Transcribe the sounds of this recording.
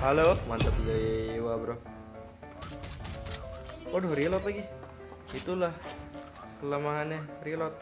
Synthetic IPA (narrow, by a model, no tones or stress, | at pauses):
halomant̪əplewabɾo | odɔhɾilɔt̪aɡi | it̪ulah | kələmaɦanarilɔt̪̚